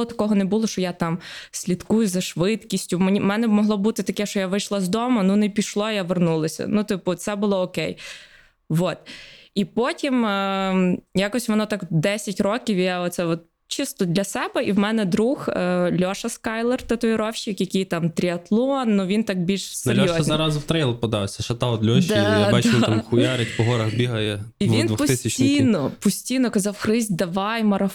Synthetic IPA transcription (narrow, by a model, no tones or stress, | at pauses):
ɔt̪ɐ̥kɔɦɔnɛbulˠɔʃt͡ʃɔjat̪ɑmsʲlʲit̪kujʊzɐʃʋɪt̪kʲisʲtʲʊmʲimɛnɛbmɔɦlˠɔbut̪ɪt̪ɐkɛʃt͡ʃɔjaʋɪjʃlˠazd̪ɔmɐnunɛpʲiʃlˠɔjaʋernulˠɐsʲɐ̰nut̪ɪpʊt̪sɛbʊlˠɔɔkɛj | ʋɔt̪ipɔtʲim | jakɔsʲʋɔnɔt̪ɑkd̪ɛsʲɐtʲrɔkʲiwijaɔt̪sɛɔt̪ | t͡ʃɪst̪ɔd̪lʲɐsɛbɛiwmɛnɛd̪ɾuxlʲɔʃɐskɑjlˠɛrt̪ɐt̪ʊjɪɾɔwʃɪkjɐkʲɪjt̪ɑmt̪ɾʲiɐt̪lˠɔnːuʋʲint̪ɑk̚bʲilʲʃsɛelʲɾʲɔjɔzɐznʲɑɾɑzwt̪ɾɛjlˠpɔd̪ɑwsʲɐʃɐt̪ɑɔd̪lʲɔʃd̪ajbat͡ʃ̪amxʊjaɾɪtʲpɔɦɔɾɐxbʲiɦɐjɛiʋindʋʊpɔt̪sɪsʲɐtt͡ʃʲijnɔpɔsʲtʲijnɔkɐzɑwxɾɪzʲd̪ɐʋɑjmɐɾɐ